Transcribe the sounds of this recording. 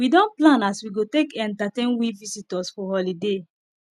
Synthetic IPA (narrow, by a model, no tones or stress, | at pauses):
widɔ̃nplãnaswiɡotekɛ̃ntatẽnwivisitɔsfɔhɔlide